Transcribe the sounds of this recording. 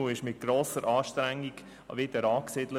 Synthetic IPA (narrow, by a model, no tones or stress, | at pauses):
uɪʃmɪt̪̚ɡ̥ɾoːsəɾʔɑːʃtɾæŋːiɡ | ʋɪd̪əɾɑːksɪd̥lə